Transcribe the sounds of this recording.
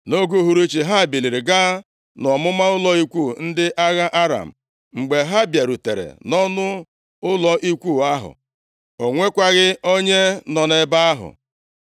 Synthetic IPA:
no˦ɡu˦ɦu˨ɾe˦t͡ʃi˨ɦa˦˨bi˨li˨ɾe˨ɡa˦ | nɔ˨mʊ˦ma˦ʊ˦lɔ˦i˦kʷu˦˨n̩˦dɪ˦ʔa˦ɣa˦ʔa˦ɾa̰˨m̩˨ | ŋ͡m̩˨ɡ͡be˨ɦa˦˨bja˨ɾu˨tḛ˨ɾḛ˨nɔ˦nʊ˦ | ʊ˦lɔ˨ʔi˦kʷu˦˨a˦ɦʊ̰˨ | o˨ŋʷe˦kʷa˦ɣɪ˦o˦ɲe˦nɔ˨ne˦ba˦a˦ɦʊ̰˨

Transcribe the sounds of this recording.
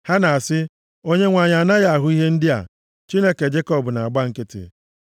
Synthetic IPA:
ha˦na˨a˨sɪ˦ | o˦ɲe˦ŋʷa˨ɲa˨na˦ja˦a˨ɦʊ˦i˦ɦe˦n̩˦dɪ˦a̰˨ | t͡ʃi˦ne˦ke˨d͡ʒe˦kɔ˦bʊ˨na˨ɡ͡ba˦ŋ̩˦kɪ˦tɪ̰˨

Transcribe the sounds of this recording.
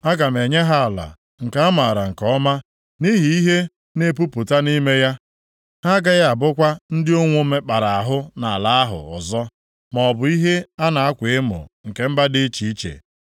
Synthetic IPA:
a˦ɡa˨m̩˨e˨ɲe˦ɦa˦a˨la̰˨ | ŋ̩˨ka˨a˦ma˨ɾa˨ŋ̩˨kɔ˦ma˦ | ni˦ɦi˨i˦ɦe˦ | ne˦pu˦pʊ˨ta˦ni˦me˦ja˦ | ha˦ɡa˦ɣa˦a˨bʊ˦kʷa˦n̩˦dɪ˦o˦ŋʷo˦me˦k͡pa˨ɾa˨a˨ɦʊ˦na˨a˨la˦a˦ɦʊ̰˨ɔ̰˨zɔ˦ | m˨ɔ˨bʊ˨i˦ɦe˦a˦na˨a˦kʷɪ˨ɪ˦mʊ̰˨ŋ̩˨ke˨m̩˦ba˦dɪ˦t͡ʃi˨i˦t͡ʃḛ˨

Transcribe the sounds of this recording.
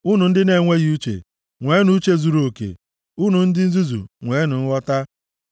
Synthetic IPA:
u˦nu˨n̩˦dɪ˦ne˨ŋʷe˦ɣi˦u˦t͡ʃḛ˨ | ŋʷe˨˦nu˦t͡ʃe˦zu˨ɾo˨kḛ˨ | u˦nu˨n̩˦dɪ˦n̩˦zu˦zṵ˨ŋʷeː˨˦nʊ˨n̩˦wɔ˦ta˦

